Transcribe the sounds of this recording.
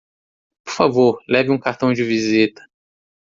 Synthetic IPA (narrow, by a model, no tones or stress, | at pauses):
poɾfavoɾlɛvɪũkaɾt̪ɐ̃w̃d͡ʒɪvizit̪ɐ̥